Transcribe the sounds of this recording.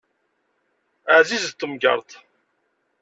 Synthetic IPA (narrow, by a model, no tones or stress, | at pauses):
əʕzizt̪ːəmɡə̰ɾˤt̪ˤ